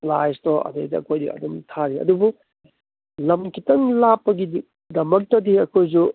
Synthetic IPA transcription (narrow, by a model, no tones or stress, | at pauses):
plajstoɐ̰dejdɐɐ̰kʰojdḭɐ̰dumtʰaɾiɐ̰dubu | lɐmkʰitɐŋlapːɐɡidi | dɐmɐk̚tɐdiɐkʰojzu